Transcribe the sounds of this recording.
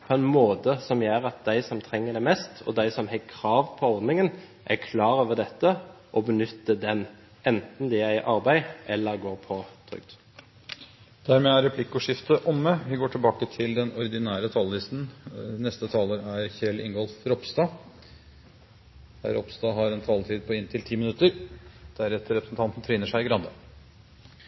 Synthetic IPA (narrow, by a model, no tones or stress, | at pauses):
pʰɔɛnmoːt̪əsɔmjeːɾɑt̪̚d̪æɪsɔmt̪ʰɾɛŋːəɖ̪ɛmɛst̪ʰɔ̰d̪æɪsɔmhɛkʰɾɑːʋpʰɔɔʁd̪nɪŋən | ʔækʰlɑːɾoːʋəd̪ɛt̪ːə | ʔɔbənʏt̪ːəd̪ɛn | ɛnt̪n̩d̪ɪæɪʔɑʁbæɪʔɛlːəʁɡoːʁpʰɔt̪ʰʁʏ̰kd̪̥ | d̪̥æɾmeːæɾɛpʰlɪkːʊʂɪft̪əʔɔmːəʋɪɡoːʈʰɪlbɑːkət̪ʰɪld̪ɛnɔɾɪd̪ɪnæːɾət̪ʰɑllɪst̪n̩nɛst̪ət̪ʰɑːləɾæɾçɛlɪ̰ŋɡɔlfɾɔpst̪ɑː | hæ̰ɾɔ̰pst̪ɑːɦɑɾɛnt̪ʰɑːlt̪ʰiːd̪̚pʰɔɪnt̪ʰɪlt̪ʰiːmɪnʉt̪əɾd̪̥æɾɛt̪əɾɛpɾəsn̩t̪ɑnt̪n̩t̪ʰɾiːnəʂæɪɡɾɑnd̪ə